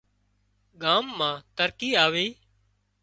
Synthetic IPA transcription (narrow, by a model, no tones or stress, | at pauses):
ɠaːmːãːt̪əɾkiːaːʋeː